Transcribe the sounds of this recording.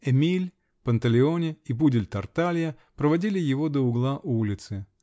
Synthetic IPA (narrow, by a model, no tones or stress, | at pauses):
ɛmʲilʲ | pənt̪əlʲɪo̞nʲɪibudʲɪlʲt̪ɐrt̪alʲɪjə | pɾəvɐdʲilʲɪjɪvo̞d̪əʊɡlˠaʔulʲɪt̪sɨ